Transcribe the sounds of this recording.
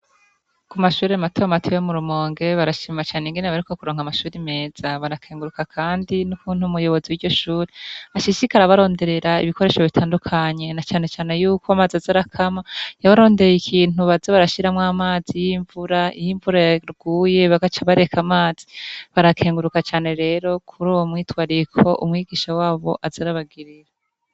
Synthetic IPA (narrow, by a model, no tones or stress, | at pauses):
kumaʃuːɾeamatoamatʰijomuɾumo̞ːŋɡe̞βaɾaʃimat͡ʃaːneŋɡeneβaɾiko̞kuɾoːŋhamaʃuːɾime̞ːz̥aβaɾakʰeːŋɡuɾukakʰaːndinukuːn̥humujo̞βo̞ziwiɾɟo̞ʃuːɾeaʃiʃikaɾaβaɾo̞ːnde̞ɾe̞ɾaḭβikoɾe̞ːʃoβitʰaːndukʰaɲe̞nat͡ʃaːne̞t͡ʃaːne̞juːkoamaːzazaɾakʰamajaβaɾo̞ːndejikʰiːnuβazoβaɾaʃiɾamŋaːmaːzijiɱvuɾaḭjiɱvuɾaɾɡ̥uːje̞βaɡat͡ʃaβaɾe̞kʰamaːz̥iβaɾakʰe̞ːŋɡuɾukat͡ʃaːne̞ɾe̞ːɾo̞kʰuɾowomŋiːtwaːɾikʰo̞ʔumŋiːɡiːʃawaːβo̞̰ʔazaɾaβaɡiɾiɾa